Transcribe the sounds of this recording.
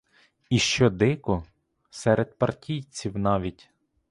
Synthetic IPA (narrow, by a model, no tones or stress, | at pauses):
iʃt͡ʃɔd̪ɪkʊ | sɛɾed̪pɐrtʲʰijt͡sʲiwnɑʋʲitʲ